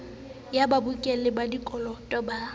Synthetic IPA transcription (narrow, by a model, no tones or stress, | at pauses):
jababukʼɛlɪbadikʼɔlɔtʼɔba